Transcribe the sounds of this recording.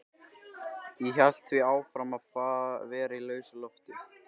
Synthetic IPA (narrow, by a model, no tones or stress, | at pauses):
jɛçal̥t̪θviaːwfɾamaðfaːðavɛːɾailœːɥsʏlɔft̪ɪ